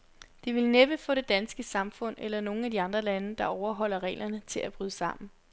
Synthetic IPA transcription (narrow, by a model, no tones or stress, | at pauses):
d̥iʋe̝lneb̥əfɔ̰̽ːɾ̥e̝d̥ænsɡ̥əsɑ̈mfɔ̽n̰elɐno̝ːŋ̩æd̥iɑ̈nd̥ʁɐlænəd̥ɑ̈ɒʊɐɦɒ̽l̰ɐʁɛ̰ːlʔɐnət͡sʰe̝læb̥ʁyð̞ˠəsɑ̈m̰n̩